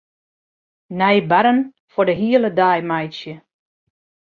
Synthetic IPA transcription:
nɛjbaɾən | fɔdəɦiələdajmajsjə

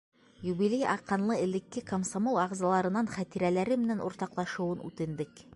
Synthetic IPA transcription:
jubilʲejʔɑ̰qːɑnlˠɤɘ̆lɘ̆kːɘkomsomolˠɑʁzɑlˠɑɾɤ̆nɑɴχæt̪iɾælæɾɘmɘ̆nænṵɾt̪ɑqlˠɑʃɤ̆wɤnʉ̰t̪ɘ̆nd̪ɘk

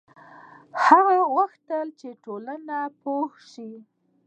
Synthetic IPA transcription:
haɣawaxt̪əlt͡ʃeʈolanapohʃi

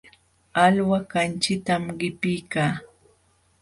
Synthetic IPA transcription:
alwakant͡ʃɪt̪amɢɪpɪjkaː

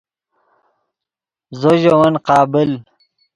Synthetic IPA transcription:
zoʑowɐnqɑːbɪl

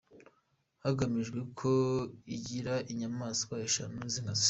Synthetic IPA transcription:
haɡamiʒɡwe̞kʰo̞iɟiɾaʔiɲamaːso̥kaeʃanuzinazi̥

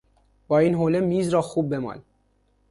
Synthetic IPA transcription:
b̥ɒːiːnɦoːlemiːzɾɒːxuːb̚ːemɒ̰ːl

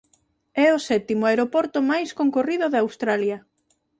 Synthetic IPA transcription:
ɛʊsɛt̪imʊaeɾopɔɾt̪ʊmajskoŋkoriðʊðawst̪ɾaljɐ

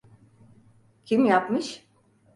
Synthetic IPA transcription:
cʰimjapmɯʃ

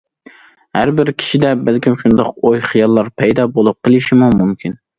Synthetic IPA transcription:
hæɾbɪɾkʲʰi̥ʃid̪ɛbælkʲimʃund̪ɑqojχijɑlˠːɑɾpʰɛjd̪ɑbolˠup̚qʰəlˠɪʃimumumkʲʰin

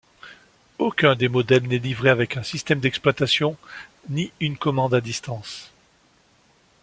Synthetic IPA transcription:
okʲɛ̃d̪emɔd̪ɛlnɛlivʁeavɛkɛ̃sist̪ɛmd̪ɛksplwat̪asjɔ̃niynkɔmɑ̃d̪ad̪ist̪ɑ̃s

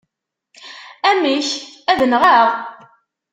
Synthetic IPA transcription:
æmiçæðənʁaʁ

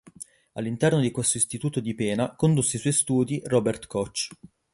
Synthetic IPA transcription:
alːint̪ɛrnod̪ikwest̪oist̪it̪uːt̪od̪ipɛːnakond̪usːeiswɔjst̪uːd̪irɔbert̪kɔt͡ʃː

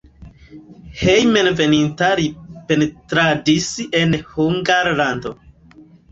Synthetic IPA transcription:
hejmenvenintaɾipenetɾadisenhuŋɡaɾlando̞

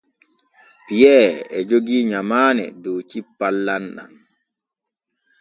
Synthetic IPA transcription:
pijɛːɾɛd͡ʒoɡiːɲamaːnɛ̰dowt͡ʃipːalːanɗa̰n

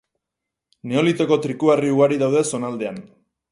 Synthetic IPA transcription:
ne̞o̞lit̪o̞ko̞t̪ɾikuariuɣaɾiðawð̞e̞so̞nald̪e̞an

